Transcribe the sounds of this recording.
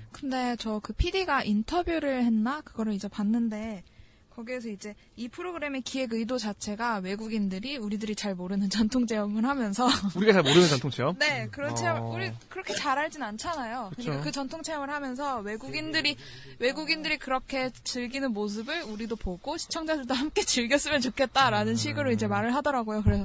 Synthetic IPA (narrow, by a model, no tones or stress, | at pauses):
kɯnde̞t͡ɕʌkɯpʰidiɡaʔintʰʌbjuɾɯɭhe̞nːakɯɡʌɾɯɭid͡ʑe̞panːɯnde̞ | kʌɡies̬ʰʌid͡ʑe̞ | ipʰɯɾoɡɯɾe̞me̞kie̞ɡɯidot͡ɕat͡ɕʰe̞ɡawe̞ɡuɡindɯɾiuɾidɯɾit͡ɕaɭmoɾɯnɯnt͡ɕʌntʰoŋt͡ɕʰe̞jʌmɯɭɦamjʌns̬ʰʌuɾiɡat͡ɕaɭmoɾɯnɯnt͡ɕʌntʰoŋt͡ɕʰeʌmne̞kɯɾʌt͡ɕʰiauɾikɯɾʌkʰe̞t͡ɕaɾɦaɭd͡ʑinant͡ɕʰanajokɯɯakɯt͡ɕʌntʰoŋt͡ɕʰe̞jʌmɯɭhamjʌns̬ʰʌwe̞ɡuɡindɯɾi | we̞ɡuɡindɯɾikɯɾʌkʰe̞t͡ɕɯɭɡinɯnmos̬ʰɯbɯɭuɾidopoɡoɕʰi̥t͡ɕʰʌŋd͡ʑadɯɭdoɦamk͈e̞t͡ɕɯɭɡjʌs͈ɯmjʌnt͡ɕokʰe̞t̚t͈aɾanɯnɕʰiɡɯɾoid͡ʑe̞maɾɯɭɦadʌɾaɡojokɯɾe̞sʰʌ